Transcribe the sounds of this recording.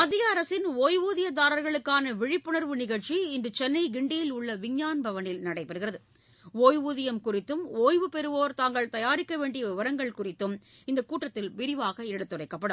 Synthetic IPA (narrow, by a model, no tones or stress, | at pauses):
ɐðɪjɐːɾɐsɪnoːjʋuːðɪjɐd̪aːɾɐɾɣɐɭɯkːaːnɐʋɪɻɪpːɯɳɐɾʋɯnɪɣɐɻt͡ʃiɪnd̪ɯt͡ʃɛnːɐɪɡɪɳɖijɪlʊɭːɐʋɪɲɲaːnbʱɐʋɐnɪlnɐɽɐɪpːɛɾɯɣɪrɐðɯ | oːjʋuːðɪjɐmkʊrɪt̪ːɯmoːjʋɯpɛɾɯʋoːɾt̪aːŋɡɐɭt̪ɐjaːɾɪkːɐʋeːɳɖɪjɐʋɪʋɐɾɐŋɡɐɭkʊrɪt̪ːɯm | ɪnd̪ɐkuːʈːɐt̪ːɪlʋɪɾɪʋaːɣɐɪɐɽɯt̪ːɯrɐɪkːɐpːɐɽɯm